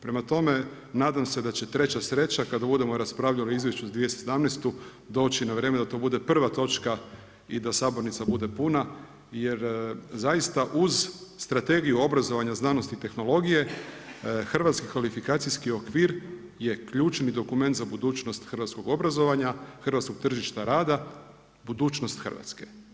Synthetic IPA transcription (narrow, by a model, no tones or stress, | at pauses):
pɾe̞mat̪o̞me̞ | naːd̪amse̞d̪at͡ɕe̞t̪ɾe̞t͡ɕasɾe̞t͡ɕakad̪abud̪e̞mo̞ɾaspɾaʋʎaliizʋje̞ʃt͡ɕuzad̪ʋijessed̪amnest̪u | d̪o̞ːt͡ɕinaʋɾeːme̞d̪at̪o̞bud̪e̞pr̩ʋat̪o̞t͡ʃka | id̪asaːbo̞ɾnit̪sabud̪e̞puna | je̞ɾzajist̪aʔuzst̪ɾat̪e̞ɡijuo̞bɾazo̞ʋaɲaznaːno̞st̪it̪e̞xno̞lˠo̞ɡije̞ | xrʋat̪skikʋalifikaːt̪sijskio̞kʋiːɾ | je̞kʎuːt͡ʃnid̪o̞kume̞nt̪zabud̪uːt͡ʃno̞st̪xr̩ʋat̪sko̞ɡo̞bɾazo̞ʋaɲaxr̩ʋat̪sko̞ɡ̥̚t̪r̩ʒiʃt̪aɾaːd̪a | bud̪uːt͡ʃno̞st̪xər̩ʋa̰t̪ske̞̥